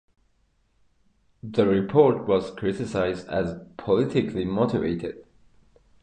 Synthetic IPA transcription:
ðəɹɪpʰɔɹtwʌz̥kʰɹ̥ɪtɪsaɪzdə̰zpʰəlɪtɪkʰlimɔtɪvḛɪtɪ̰d̥̚

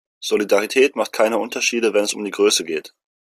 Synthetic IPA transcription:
z̥olidaʁitʰɛːtmaχt̚kʰaɪnəʔʊntɐʃiːdəvɛnɛsʊ̰mdiːɡʁøːsəɡeːt

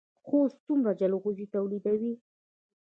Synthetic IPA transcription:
xost͡sumɾad͡ʒaloɣuzit̪awlid̪awi

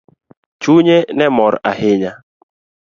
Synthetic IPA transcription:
t͡ʃuɲenɛmɔɾaɦɪɲa

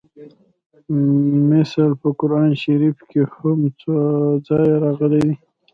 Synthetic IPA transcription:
mɪsəlpəkʊɾɑnʃaɾifkehʊmt͡sod͡zɑjɾɑɣəled̪i

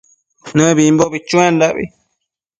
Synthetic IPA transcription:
nɨ̃βimboβit͡ʃũẽnd̪aʔβḭ

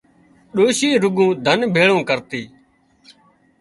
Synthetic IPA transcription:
ɗoːʃiːɾʊɡũːd̪ʱənbʱeːɭõːkəɾt̪iː

